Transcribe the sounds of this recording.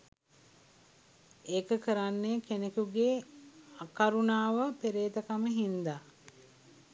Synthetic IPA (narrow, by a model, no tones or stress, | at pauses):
eːkəkəɾanːekenekuɡeːakaɾunaːʋəpeɾeːt̪əkaməɦind̪a